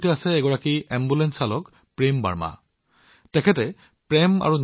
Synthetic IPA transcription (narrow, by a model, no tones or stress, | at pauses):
tiasɛːɡɔɹakiɛmbulɛnsalɔk | pɹemba̰ɹma̰ | tɛkʰɛtɛ | pɹɛma̰ɹun